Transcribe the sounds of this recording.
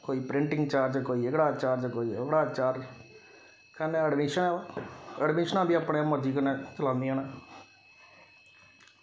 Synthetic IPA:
koːiːpɾɪɳʈɪ̃ŋɡt͡ʃaːɾd͡ʒkoːiːeɡɽaːt͡ʃaːɾd͡ʒkoːiəkɽaːt͡ʃaːɾd͡ʒ | kənẽəɖmiʃənɛəɖmɪʃənãːbʱiapɳeməɾd͡ʒiːkənẽːt͡ʃəlãːnd̪iɦɛ̃ñaː

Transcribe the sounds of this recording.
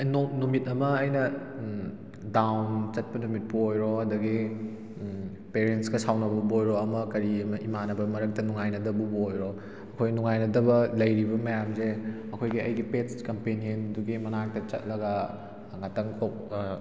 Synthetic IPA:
nnumitɐmɐːjnɐ | dawnt͡ʃɐt̚pɐnumit̚puojɾoɐdɐɡi | peɾentskɐsawnɐbubojɾoɐmɐkɐɾiɐmɐʔimanɐbɐmɐɾɐk̚tɐnuŋajnɐdɐbubuojɾo | ɐkʰojnuŋajnɐdɐβɐlɐjɾibɐmɐjamze | ɐkʰojɡiɐjɡipet͡ʃkɐmpenienduɡimɐnak̚tɐt͡ʃɐ̰t̚lɐɡɐ | ŋɐtɐŋkʰop̚

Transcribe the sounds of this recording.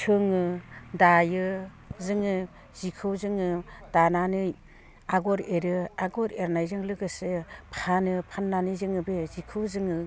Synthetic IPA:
tʰɯŋɯdajɯ | zɯŋɯ | zikʰɯwzɯŋɯd̥ananɯj | aɡɔɾeɾɯaɡɔɾeɾnajzɯŋlɯɡɯsɯpʰanɯpʰanːanɯjzɯŋɯbɯzikʰɯwzɯŋɯ

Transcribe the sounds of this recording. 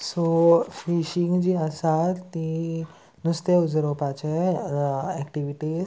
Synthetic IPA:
sofiɕĩŋɡd͡ʑiːasat̪i | nust̪eud͡zɾopat͡ɕe | ɛkʈiʋiʈiːz

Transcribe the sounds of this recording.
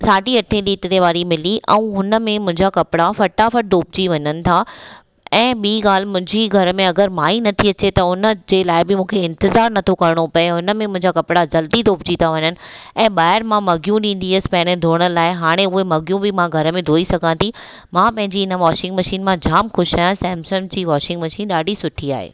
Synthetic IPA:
saːʈiɐʈʰẽliːʈɾeʋaːɾimɪliʔɛ̰̃ũɦʊnə̆mẽmʊ̃ɦɪ̃ɲd͡ʑakɐpɪɽafɐʈaːfəɽ̚d̪oːp̚d͡ʑiʋɐɲənɪ̆t̪ʰa | ɛ̃ːɓiːɡaːl̤mʊ̃ɦɪ̃ɲd͡ʑiɡʱɐɾəmẽɐɡəɾmaːinɐt̪ʰiɐt͡ɕ̪et̪ɐʊnə̆d͡ʑeːlaːɪbɪmũːkʰeɪ̃nt̪ɪzaːɾnɐt̪ʰokɐɾɪɽ̃opɐeɦʊnə̆mẽmʊ̃ɦɪ̃ɲd͡ʑakɐpɪɽad͡ʑɐld̪id̪oːp̚d͡ʑiːt̪aʋɐɲənɪ̆ɛ̃ːɓaːɪɾmãmɐɡjũɗĩːn̆d̪iɐspɐ̃ɦɪ̃ñəd̪ʱoːɽ̃əlaːɪɦaːɽ̃ẽʊɦemɐɡjũbɪmãɡʱɐɾəmẽd̪ʱoːisɐɡʱãt̪ʰi | mãpɐ̃ɦɪ̃ɲd͡ʑiɪnə̆ʋɔːʃɪ̃ŋɡmɐʃiːnmãd͡ʑaːmxʊʃaːjãsɛ̃ːmsəmd͡ʑiːʋɔːʃɪ̃ŋɡmɐʃiːnɗaːɖʱisʊʈʰia̰ːɦḛː

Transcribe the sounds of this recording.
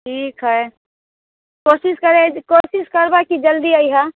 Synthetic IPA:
ʈʰiːkɦɛ | koːsɪʃkəɾẽkoːʃɪʃkəɾbakid͡ʒəld̪iaiɦa

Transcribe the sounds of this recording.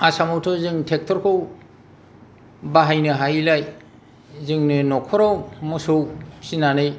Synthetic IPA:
asamɔwtʰɔzɯŋtʰek̚tʰɔɾkʰɯw | baɦajnɯɦajlaj | zɯŋnɯnɔkʰɔɾɔwmɯsowsinanɯj

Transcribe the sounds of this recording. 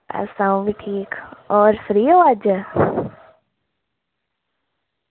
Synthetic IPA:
a̰sãũbiʈʰiːkɔːɾfɾiːoad͡ʒə

